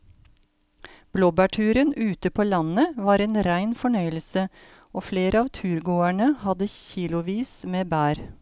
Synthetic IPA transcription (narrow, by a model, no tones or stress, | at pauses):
b̥loːbæːʈʰʉːɾənʉːt̪əpʰoːlɑnəʋɑːɾeːnɾæɪnfɔɳœʏəlsə | oːfleːɾʔəɑːʋt̪ʰʉːɾɡoːæɳəhɑd̪əçiːlʊʋiːsmeːbæːɾ